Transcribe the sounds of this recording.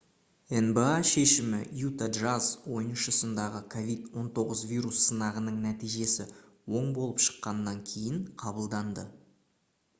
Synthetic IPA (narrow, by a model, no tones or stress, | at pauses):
enbeaʃe̞ʃɪmɪjut̪adʒazwo̞jənʃəsənd̪ɑʁəkʰo̞vʲijd̪wo̞nt̪ʰo̞ʁəzvijɾusːənɑʁənəɴnæt̪ijʒe̞sɪ | wo̞ɴbo̞lˠəpʃə̥qːɑnːɑŋkʲʰe̞jɪɴqʰɑbəlˠd̪ɑnd̪ə̰